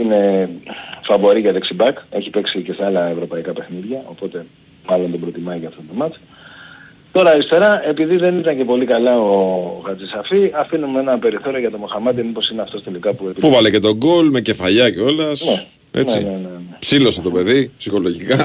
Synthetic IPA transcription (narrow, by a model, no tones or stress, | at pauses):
ine̞ | fɐvo̞ɾiʝɐðeksibɐke̞̰çipe̞ksiceseɐlɐevɾo̞pɐikɐpe̞xniðʝɐo̞po̞t̪e̞ | mɐlo̞nt̪o̞bɾo̞t̪imɐjʝɐft̪ot̪omɐt͡s | t̪o̞ɾɐːlist̪e̞ɾɐe̞piðiðe̞nit̪ɐɲce̞po̞likɐlɐoɣɐt͡sisɐfiɐfinumee̞nɐpe̞ɾiθo̞ɾio̞ʝɐt̪o̞mo̞xɐmɐt̪imipo̞sineɐft̪ost̪elikɐpuepipuvɐlece̞t̪o̞ɡo̞lme̞ce̞fɐʎɐceo̞lɐsne | ḛneḭnenenepsilo̞set̪o̞pe̞ðipsixo̞lo̞ʝikɐ